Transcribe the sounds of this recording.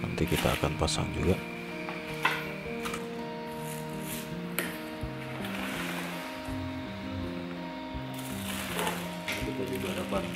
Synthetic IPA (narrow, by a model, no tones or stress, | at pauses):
na̰nt̪ikit̪a̰ːkanpasa̰ŋd͡ʒuɡa | iuk̪alibaɾapan